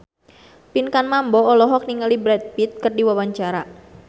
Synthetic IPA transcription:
pinkanmambɔːlɔɦɔk̚niŋalibɾɛt̪̚pit̪̚kɨrdiwawaɲt͡ʃaɾa

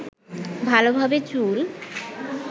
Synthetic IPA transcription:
bʱalobʱabet͡ɕul

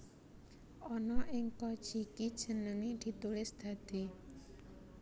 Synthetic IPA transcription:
ʔɔnɔʔɪŋkɔd̥ʒ̥ikid̥ʒ̥ə̤nəŋid̪̥i̤t̪ulɪsd̪̥ä̤d̪̥e

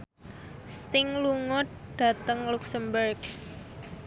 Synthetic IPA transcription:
st̪ɪŋluŋʊt̪̚ɖ̥a̤t̪əŋluksəmbərɡ

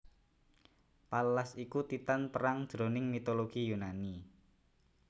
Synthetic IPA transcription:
paləlasikut̪it̪anpəɾaŋd̥ʒ̥ɾo̤nɪŋmit̪oloɡ̥ijunani

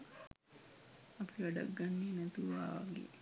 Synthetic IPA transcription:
apiʋɐɖɐ̰ɡːanːiːnɛt̪uʋaːʋaɡḛː

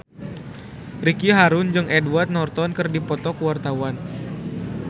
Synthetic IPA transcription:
rikiɦaɾʊnd͡ʒɨŋʔɛduart̪̚nɔrt̪ɔnkɨrdipɔt̪ɔkuwart̪awan

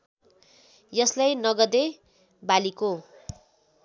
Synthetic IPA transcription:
jʌslajnʌɡʌd̪e | baliko

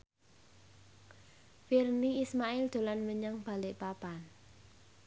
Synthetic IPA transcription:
firniismaɪld̪̥o̤lanməɲəŋb̥a̤lɪʔpapan

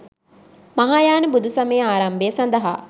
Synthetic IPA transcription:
maɦaːjaːnəbud̪ʱusɐmejːaːɾɐmbeəsɐnd̪ɐɦa̰ː

